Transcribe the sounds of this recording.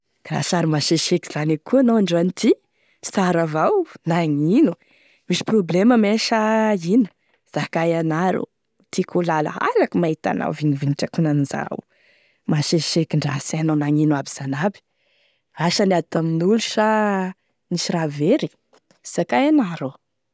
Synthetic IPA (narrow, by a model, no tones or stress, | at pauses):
ra̰saɾimaʃeʃeki̥z̥anikuanowaɳɖ͡ʐanit̪i | saɾavawnaŋinu | miʃi̥probleməmeʃainə̥ | z̥akajanaɾṵ | t̪ikʰulalə̰a̰lakumait̪a̰na̰wviniviniʈ͡ʂakunaniza̰w | maʃeʃekiɳɖ͡ʐasanonaŋinwabiz̥anabi̥ | aʃanat̪aminuluʃa | niʃiraveɾi̥ | sakajanaɾo